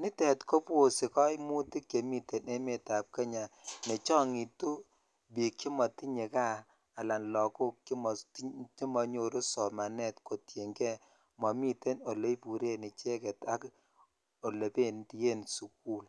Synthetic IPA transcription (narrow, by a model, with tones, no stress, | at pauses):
ni˦tɛ˨tko˦pwo˨si˨kɔ˦jmu˦ti˦kje˨mi˦te˨ne˦me˨ta˨p̚ke˦ɲa˨ne˨t͡ʃɔ˦ŋi˨tu˦ | bi˨ki˦mɔ˨ti˦ɲe˨ka˦ | a˨la˨nlɔ˨ku˦kki˦m˨˦ti˦mɔ˨ɲo˨ɾo˦sɔ˨ma˨nɛ˦˨tko˨tje˨ŋɡɛ˦ | mɔ˨mi˦te˦no˨le˦i˦pu˨ɾe˦ni˨t͡ʃɛ˦kɛ˨ta˦k | o˨le˨pe˦˨nti˨je˦nsu˨ku˦l